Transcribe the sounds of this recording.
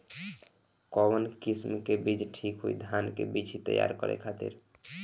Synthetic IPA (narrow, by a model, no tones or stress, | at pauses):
kɔbənkismkebid͡ʒʈʰikɦujd̪ʱankḛbid͡ʒʰʱit̪ə̰ja̰ɾkəɾɛ̰kʰat̪ḭɾ